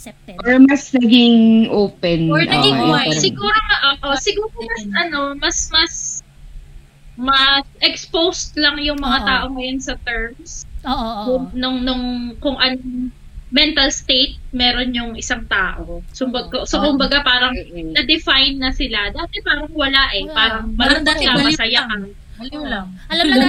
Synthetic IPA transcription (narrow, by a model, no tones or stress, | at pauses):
ʔoɹmɐsnɐɡɪŋʔoːpɛnoɹnɐɡɪŋwajsɪɡuːɾoŋɐʔoːʔosɪɡuːɾomɐsɐno̞mɐsmɐs | mɐsʔɛkspowst̪̚lɐŋjʊŋmɐŋat̪aːʔo̞ŋɐjonsɐt̪ɛɹmskʊŋnʊŋnʊŋkʊŋʔɐnoŋ | mɛnt̪ɐlst̪ejt̪̚mɛːɾonɲʊŋɪsaŋt̪aːʔosʊmbɐkosokʊmbɐɡapaːɾɐŋɐd̪ɪfajnːɐsɪlad̪aːt̪ɛpaːɾɐŋwɐlaʔɛpaːɾɐŋmɐlɐd̪akamɐsɐjakan